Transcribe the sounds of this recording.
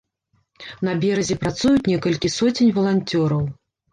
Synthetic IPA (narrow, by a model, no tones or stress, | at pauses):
nɐbʲɛɾɐzʲɛpɾat̪sujut͡sʲnʲɛkɐlʲkʲisɔt͡sʲinʲvɐlˠanʲt͡sʲɔɾɐw